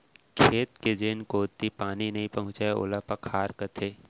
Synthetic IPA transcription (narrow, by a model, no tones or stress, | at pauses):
kʰeːt̪ked͡ʒeːnkoːt̪ːipaːninɐɦĩpɐɦʊ̃t͡ʃaʊ̰lapɐkʰhaːɾkɐt̪ʰeː